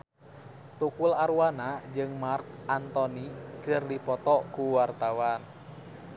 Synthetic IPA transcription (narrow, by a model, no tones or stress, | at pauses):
t̪ukulaɾuwanad͡ʒɨŋmark̚ʔant̪ɔnikɨrdipɔt̪ɔkuwart̪awan